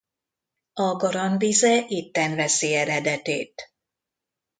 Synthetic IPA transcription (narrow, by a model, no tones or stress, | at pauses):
ɒɡɒɾɒnbizɛʔit̪ːɛnvɛsiɛɾɛd̪ɛt̪eːt̪